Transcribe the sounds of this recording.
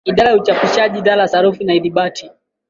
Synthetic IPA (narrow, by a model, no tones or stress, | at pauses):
iɗaɾajaut͡ʃapiʃaʄiɗalasaɾufinaiðiɓatʰi